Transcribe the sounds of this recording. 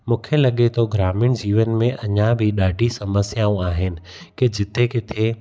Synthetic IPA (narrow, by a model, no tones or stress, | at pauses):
mũːkʰelɐɠet̪ʰoɡɾaːmɪɽ̃d͡ʑiːʋənmẽʔɐɲãbʱɪɗaːɖʱisɐməsjaːũaːɦɪnɪ̆ | ked͡ʑɪt̪ʰekɪt̪ʰe